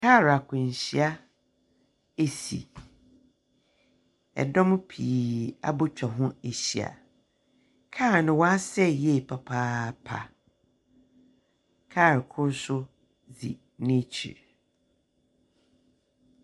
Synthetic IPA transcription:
kʰa˦˨ɾa˨kʰʊ̃˨ɲ˨ɕi˨a˦ | e˨sḭ˨ | ɛ̰˨dɔ̃˦m˦pʰiː˨a̰˦bʊ˦t͡ɕᶣɔ˨ɦʊ̃˦e˨ɕi˨a̰˨ | kʰa˦˨nɪ̃˨wɔ˦a˦sɛ˦jɛ˦˨pʰa˨pʰaː˦pʰa̰˨ | kʰaː˦˨ɾkʰʊ˦ɾsʊ˦ | d͡zḭ˨ | nɪ̃˦t͡ɕʰḭ˨ɾ

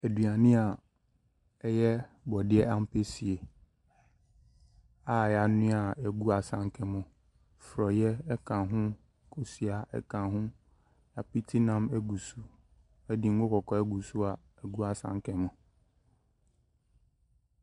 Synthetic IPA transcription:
æ˨dɥa˨nɪ̃˦a˨ | ɛ˦jɛ˦bɔ˨dɪ˦ɛ˦a˦m̩˦pʰe˦si˨e˨ | a˨ja˨nʊ̃˦a˨ɛ˨ɡu˦a˨sã˦ŋ˦kʰɛ̃˨mʊ̃˨ | fɾɔ˨jɛ˦ɛ˦kʰã˨ɦʊ̃˦ | kʰo˨si˨a˨ɛ̰˦kʰã˨ɦʊ̃˦ | ja˨pi˦tʰi˦nã˦mɛ˦ɡu˨su˦ | ɛ˦di˨ŋ̩˦o˦kʰɔ˨kʰɔ˨ɛ˦ɡu˨su˦a˨ | ɛ˨ɡu˦a˨sã̰˦ŋ˦kʰɛ̃˨mʊ̃˨

